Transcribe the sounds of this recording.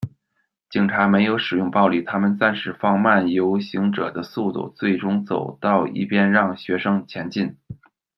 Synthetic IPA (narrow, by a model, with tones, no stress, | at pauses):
t͡ɕi˨˩ŋʈ͡ʂʰa˧˥me˧˥ɪjo˧˥ʊʂɻ̩˨˩jʊ˥˧ŋpɑ˥˧ʊli˥˩t̪ʰa˥mə˨nt͡sa˥˧nʂɻ̩˥˩fɑ˥˧ŋma˥˩njo˧˥ʊɕi˧˥ŋʈ͡ʂɤ̰˨˩d̪ə˦su˥˧t̪ṵ˥˩t͡swe˥˩ɪʈ͡ʂʊ˥ŋt͡so˨˩ʊt̪ɑ˥˧ʊḭ˥˩pjɛ˥nɻɑ˥˩ŋɕɥɛ˧˥ʂɤ˥ŋt͡ɕʰjɛ˧˥nt͡ɕi˥˩n